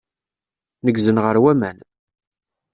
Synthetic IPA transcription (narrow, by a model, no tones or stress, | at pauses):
nəɡzənʁəɾwæmæn